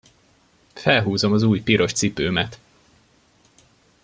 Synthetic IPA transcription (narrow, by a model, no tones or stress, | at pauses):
fɛlɦuːzo̞mɒzuːjpiɾo̞ʃt̪sipøːmɛt̪